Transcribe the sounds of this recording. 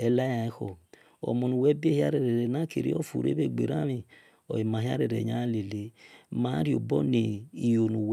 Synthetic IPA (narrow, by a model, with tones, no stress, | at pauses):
ɛ˨la˦ja˨i˦xɔ˨ | o̰˨mo˨nu˨wɛ˦be˦hi˦a˦ɾɛ˨ɾɛ˨ɾɛ˨na˦kḛ˨ɾḭ˦ɔ̰˦˨fṵ˨ɾḛ˦be˦˨ɡ͡bḛ˨ɾa˦mi˨ | ɔ̰˨i˨ma˨ɦi˦a̰˦ɾɛ˨ɾḛ˨ɲa˨˦le˨le˦ma˨˦ɾi˦o˨bɔ˦ni˨i˨jo˨nu˨w